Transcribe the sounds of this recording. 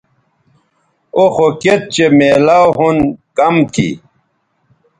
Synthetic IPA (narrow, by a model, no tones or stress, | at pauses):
oxoket̪̚t͡ɕemeːlawɦunkɐmt̪ʰḭ